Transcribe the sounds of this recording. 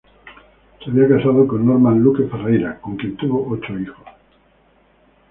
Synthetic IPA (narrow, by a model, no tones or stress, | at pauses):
seaβiakasað̞okonːoɾmãnlukeferejɾakoŋkjẽ̞nt̪uβoʔot͡ʃoixos